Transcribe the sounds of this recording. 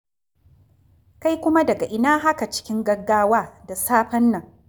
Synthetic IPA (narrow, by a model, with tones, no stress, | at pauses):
ka˦jkʷʊ˦ma˦dɐ˨ɡa˨ʔɪ˦naː˦ɦa˦ka˨t͡ʃɪ̥˦kʲɪ˦ŋɡɐ˦ɡaː˦waː˦da˨saː˦ɸɐ˦nːɐ˨ŋ